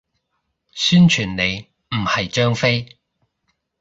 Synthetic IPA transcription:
syː˥nt͡ʃʰyː˨˩nne˨˧j | m̩˨˩hɐ˨jt͡ʃœː˥ŋfe˥j

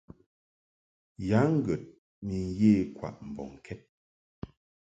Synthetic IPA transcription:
ja˨˦ŋ̩˦ɡɛ˨t̚ | mi˨n˨jeː˦˨kwa̰˨ʔm̩˨bɔ̰˨ŋ˨kʰɛ˦t̚

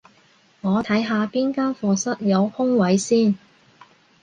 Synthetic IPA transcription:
ŋɔː˨˧t̪ʰɐ˨˥jɦaː˧piː˥nkaː˥nfɔː˧sɐ˥t̚jɐ˨˧whʊ˥ŋwɐ˨˥jsiː˥˩n

